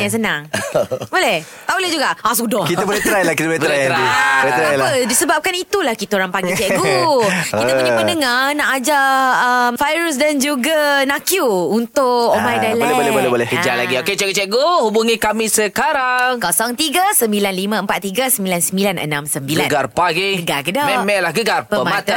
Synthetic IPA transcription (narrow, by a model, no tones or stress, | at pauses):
as̬ənaŋbolɛh | t̪aulɛhd͡ʒuɡaʔasudɔkit̪əbolɛht̪əɾajlakit̪əbolɛəɾajɾaiolɛɾajlpədisəbap̚kanit̪ulahkit̪aoɾaŋpaɡit͡ʃɛʔɡokit̪əpəɲaməndəŋanaʔad͡ʒaʔəmfajɾus̬dand͡ʒuɡanakjuunt̪ʊʔomajdalllɛbolɛbolɛkəd͡ʒalaɡioket͡ʃɛʔɡot͡ʃɛʔɡohubuŋĩkamĩsəkaɾaŋkasaŋt̪iɡasəmbilanlimãəmpat̪̚iɡasəmbilansəmbilanʔə̰nãmsəmbiɡlaənɡarpaɡiɡəɡaɡədɔmɛmɛlahɡəɡarpəəmamat̪a